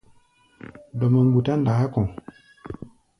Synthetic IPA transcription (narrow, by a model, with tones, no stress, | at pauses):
dɔ˨ma˨ŋbu˨ta˦nda˨ha˦kɔ̃˨